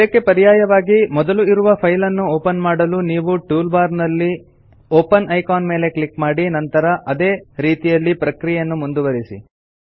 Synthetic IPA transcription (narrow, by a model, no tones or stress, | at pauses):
ɐɐkːe̞pɐɾijaːjɐʋaːɡimɔd̪ɐluiɾuʋɐpʰɐjlɐnːuoːpɐnmaːɽɐluniːʋuʈuːlbaːɾnɐlːi | oːpɐnʔɐjkaːnme̞ːle̞klikmaːɽinɐnt̪ɐɾɐʔɐd̪e̞ːɾiːt̪ijɐlːipɾɐkɾijɐnːumund̪uʋɐɾisḭ